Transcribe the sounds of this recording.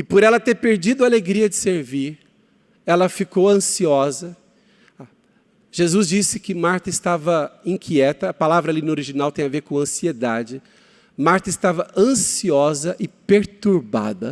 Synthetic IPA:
ɪpɔɾɛlɐt̪eɾpeɾd͡ʒid̪ʊaleɡɾiɐd͡ʒɪseɾviɾ | ɛlɐfikowɐ̃siɔzɐ | ʒ̥ezuzd͡ʒisɪkɪmaɾt̪ɐɪst̪avɐĩkʰiɛt̪ɐːpalavɾɐalinoɾiʒinawt̪ẽj̃aveɾkõɐ̃sied̪ad͡ʒɪ | maɾt̪ɐɪst̪avɐʔɐ̃siɔzɐʔɪpeɾt̪uɾba̰d̪ɐ

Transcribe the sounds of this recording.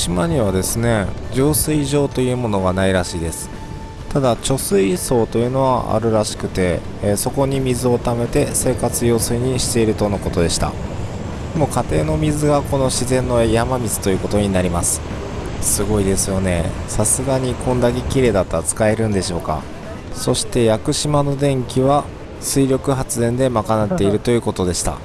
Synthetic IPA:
ɕimaɲ̟iβad̪e̞sɨne̞d͡ʑoːsɨiʑo̞ːt̪o̞jɯ̟ːmo̞no̞ɡanaiɾaɕiːd̪e̞sɨ̥ | t̪ad̪at͡ɕo̞sɨiso̞ːt̪o̞jɯ̟ːno̞βa̰ʔa̰ɾɯ̟ɾaɕi̥kɯ̟̥t̪e̞ | so̞ko̞ɲ̟imʲizɨo̞t̪ame̞t̪e̞se̞ːkat͡sɨjo̞ːsɨiɲ̟iɕi̥t̪e̞iɾɯ̟t̪o̞noko̞t̪o̞d̪e̞ɕi̥t̪a̰ | d̪emo̞kat̪e̞ːno̞mʲizɨɡako̞no̞ɕizẽ̞nːo̞ejamamʲizɨ̥t̪o̞jɯ̟ko̞t̪o̞ɲ̟inaɾʲimasɨ̥ | sɨɡo̞id̪e̞sɨjo̞ne̞̰sasɨɡaɲ̟ikʰõ̞nd̪ake̞kʲiɾe̞ːd̪at̪ːat͡sɨ̥kae̞ɾɯ̟̃nd̪e̞ɕo̞ːka̰ | so̞ɕi̥t̪e̞jakɯ̟ɕimano̞d̪ẽ̞ŋkʲiβa | sɨiɾʲo̞kɯ̟ɦat͡sɨzẽ̞nd̪e̞makanat̪ːe̞iɾɯ̟t̪o̞jɯ̟ːko̞t̪o̞d̪e̞ɕi̥t̪a̰

